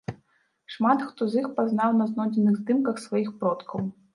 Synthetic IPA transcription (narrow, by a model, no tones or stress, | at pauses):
ʂmat̪xt̪ɔzʲixpazn̪awnɐznɔd͡zʲɛnɨɣzd̪ɨmkɐxsvajixpɾɔt̪kʰɐw